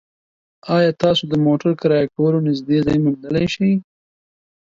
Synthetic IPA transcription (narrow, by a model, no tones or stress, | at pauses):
ɑjɑt̪ɑsod̪əmoʈaɾkaɾɑjakawəlonɪzd̪ezɑjmʊnd̪əlajʃəj